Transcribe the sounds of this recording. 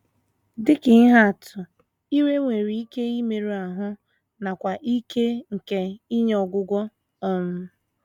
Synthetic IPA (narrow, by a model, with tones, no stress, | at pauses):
dɪ˦kɪ˨˦ɦa˦˨tʊ˨ | i˦ɾe˦ŋʷe˨ɾi˨i˦ke˦i˦me˨ɾu˦˨a˨ɦʊ˦ | na˨kʷa˨ʔi˦kʰe˦ŋ̩˨ke˨i˦ɲe˦ɔ˨ɡʷʊ˦ɡʷɔ˦ | ɔ˦m̩˦